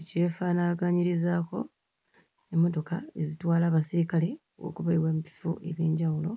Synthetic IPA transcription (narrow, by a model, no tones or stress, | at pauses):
ce̞ːfaːnaɡaɲiɾizaːko̞ | emːo̞to̞kae̞zitwaːlaːβasiɾikale̞ | wo̞̰ːkuβaiwaːmpi̥fṵʔe̞βjeːɲɟawulo̞